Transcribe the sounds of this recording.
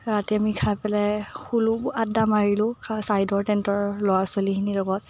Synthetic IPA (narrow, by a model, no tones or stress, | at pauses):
ɹatɛamikʰajpɛlɛxuluadamaɹilʊ̃sajdɔɹtɛntɔɹlɔwaswalikʰinilɔɡɔt̚